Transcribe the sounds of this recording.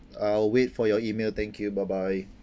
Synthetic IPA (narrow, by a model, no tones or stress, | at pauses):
alwetfɔjɔimelt̪ʰɛ̃ŋkʰjubaɪbaɪ